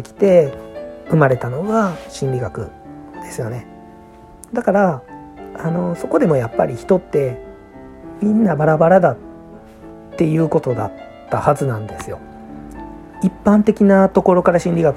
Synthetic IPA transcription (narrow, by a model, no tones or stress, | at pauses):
ekʲi̥t̪e̞ | ɯ̟maɾe̞t̪ano̞ɡaɕĩnɾʲiɡakɯ̟̰ | d̪̥e̞sɨjo̞ne̞ | d̪akaɾa | ano̞so̞ko̞d̪e̞mo̞japːaɾʲiçi̥t̪o̞t̪ːe̞ | mʲĩnːabaɾabaɾad̪at̪ː | e̞jɯ̟ːko̞t̪o̞d̪a̰t̪ːahazɨnãnd̪e̞sɨjo̞̰ | ipːãnt̪e̞kʲinat̪o̞ko̞ɾo̞kaɾaɕĩnɾʲiɡak